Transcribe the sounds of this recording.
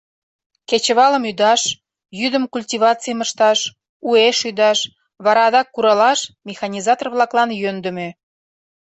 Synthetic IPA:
ket͡ɕəβɑləmyd̪ɑʃ | jyd̪əmkulʲtʲiβɑt͡sijəməʃt̪ɑʃ | ueʃyd̪ɑʃ | βɑɾɑd̪ɑkːuɾɑlɑʃmʲexɑnʲizɑt̪orβlɑklɑnjønd̪ə̆me

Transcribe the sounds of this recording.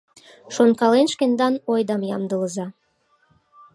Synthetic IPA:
ʃonkɑlenʃkend̪ɑnojd̪ɑmjɑ̰md̪ələzɑ

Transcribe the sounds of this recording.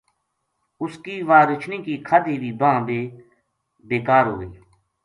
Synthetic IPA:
ʊskiːʋaːɾət͡ʃʰniːkiːkʰaːd̪iːʋiːbãːbeː | beːkaːɾɦo̰ːɡəiː

